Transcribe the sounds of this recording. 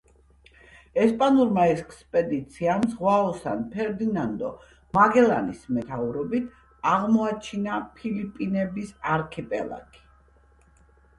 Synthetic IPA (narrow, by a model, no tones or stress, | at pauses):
ɛspʼanuɾmaɛkskʼspʼɛd̪it̪sʰiamzʁwaɔsa̰npʰɛɾd̪inand̪ɔ̰ | maɡɛlanismɛt̪ʰauɾɔbit̪ʰ | aʁmɔat͡ʃʰinapʰilipʼinɛbisaɾkʰipʼɛ̰lˠa̰kʼi̥